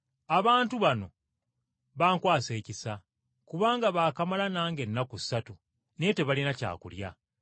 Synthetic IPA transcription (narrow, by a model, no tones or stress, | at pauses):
aβaːntuβano̞̰ | βaːŋkwaːse̞ːcisa | kuβaːŋɡaβaːkamalanaːŋɡe̞nːakui̥satu | nete̞βalinaca̰ːkulja